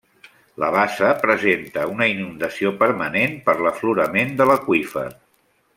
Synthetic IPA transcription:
lə̰βasəpɾəzent̪əunəinund̪əsiopəɾmənenpəɾləfluɾəmend̪ələkwifə̰

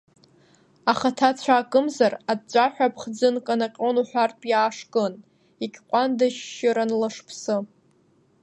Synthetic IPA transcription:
aχatʰat͡ɕʷʰaːkʼɨmzarad̚t͡ʃʷʼaħʷᶣapʰχd͡zɨnkʼanaqʲʼonuħʷᶣartʼjaːʂkʼɨn | ikʲʰʼqʷʼandaʃːɪɾanlaʂpʰsɨ

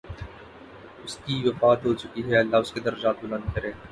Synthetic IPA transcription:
ʊskiʋɐfaːt̪ɦot͡ʃʊkiɦɛːlːaːʊsked̪ɐɾɐd͡ʒaːt̪̚bʊlɐ̃nd̪̚kɐɾẽː

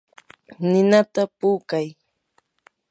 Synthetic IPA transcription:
nɪnat̪apuːkaj

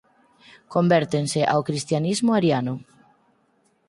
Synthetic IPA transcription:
kombɛɾt̪enseʔawkɾist̪janizmʊaɾjanʊ

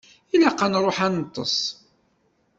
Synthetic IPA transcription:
ilæqːɑnɾˤoħænət̪ˤːə̰sˤ

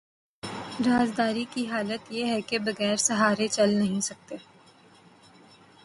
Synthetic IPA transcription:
ɾaːd͡ʒd̪aːɾikiɦaːlət̪jeɦɛkebɐɣɛːɾsɐɦaːɾet͡ʃɐlnɐɦĩsɐk̚t̪eː

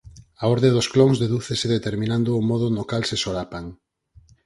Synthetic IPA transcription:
aɔɾðeðʊsklɔŋzðeðuθeseðet̪eɾmĩnãnd̪ʊːmɔðʊnokalsesoɾapaŋ

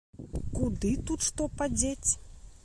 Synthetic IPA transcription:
kud̪ɨt̪ut̪ʂt̪ɔpad͡zʲet͡sʲ

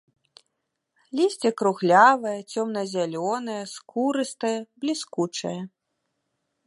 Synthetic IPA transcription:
lʲisʲt͡sʲɛkɾuɣlʲavɐjɐt͡sʲɔmnɐzʲalʲɔnɐjɐskuɾɨst̪ɐjɐblʲiskut͡ʂɐ̰jɐ

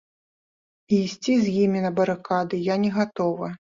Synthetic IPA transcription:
iːsʲt͡sʲizʲjimʲinɐbɐɾɨkad̪ɨjanʲɛɣat̪ɔvɐ

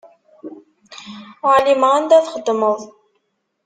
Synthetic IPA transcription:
ʕliməænd̪æθχəd̪ːməðˤ

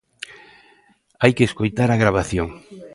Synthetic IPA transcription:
ajkeːskojt̪aɾaɣɾaβ̞aθjoŋ

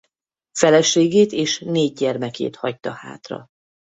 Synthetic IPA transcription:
fɛlɛʃeːɡeːt̪eːʃneːɟ̚ɟɛrmɛkḛːt̪hɒct̪ɒha̰ːt̪rɒ̰

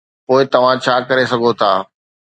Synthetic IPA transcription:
poːɪt̪ɐʋ̤ãt͡ɕʰaːkɐɾesɐɡʱot̪ʰaː

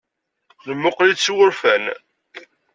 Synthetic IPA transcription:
nəmːʊqlit͡sːwʊɾfæn

